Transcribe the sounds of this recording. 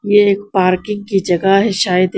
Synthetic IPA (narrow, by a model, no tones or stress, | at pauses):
jeeːk̚paːɾkɪ̃ŋɡ̚kid͡ʒɐɡaɦɛʃaːjəd̪